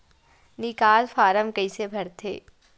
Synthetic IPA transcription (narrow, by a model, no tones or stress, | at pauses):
nɪkaːlfaːɾəmkɐĩsebʱɐɾt̪ʰḛː